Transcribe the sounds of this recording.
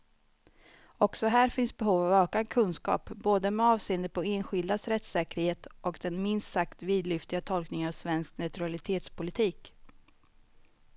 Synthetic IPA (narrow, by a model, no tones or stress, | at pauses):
ɔksɔɦæːɾfɪnsbɛɦuːvavøːkad̪kʰɵnskɑ̰ːpboːd̪əmɛɑːvseːnd̪əɾpʰɔeːnɧɪld̪asɾɛt̪sɛːkəɾheːt̪ʔɔkd̪ɛnmɪnst̪sakt̪viːd̪lʏft̪ɪɡat̪ʰɔlknɪŋavsvɛnsknat̪ɵalɪt̪ʰeːt̪spʰʊlɪt̪ʰiːk